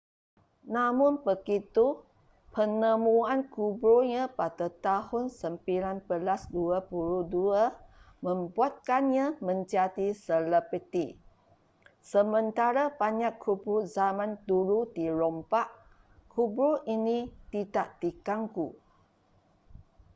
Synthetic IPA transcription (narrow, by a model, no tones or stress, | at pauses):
namʊnpəɡit̪u | pənəmuankubɾoɲãpadat̪ahʊnsəmpilanpəlasduapuɾuduə | mə̃mbuat̪̚kanɲamə̃ɲt͡ʃatisələpət̪i | səmə̃nt̪aɾabaɲakʰːubɾozamãnt̪uɾud̪iɾɔmpaʔ | kʰubɾoʔinit̪itaʔt̪ikaŋku